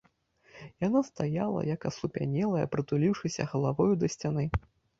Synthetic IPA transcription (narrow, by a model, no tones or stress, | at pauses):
janast̪ajalˠɐ̰jɐkɐsˠupʲa̰nʲɛlˠɐjɐ̰pɾɨt̪ulʲiwʂɨsʲɐ̰ɣɐlˠavɔjud̪ɐsʲt͡sʲan̪ɨ